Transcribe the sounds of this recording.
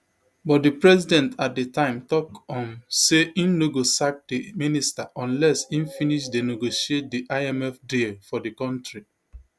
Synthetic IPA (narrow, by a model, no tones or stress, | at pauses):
bɔt̚dipɹɛzidɛ̃ntat̚detãɪ̃mtɔkɔ̃nseĩnːoɡosak̚diministaʔɔ̃nlɛsĩnfiniʃdeneɡoʃiet̚diʔaɛmɛfdelfɔdikɔ̃ntɹi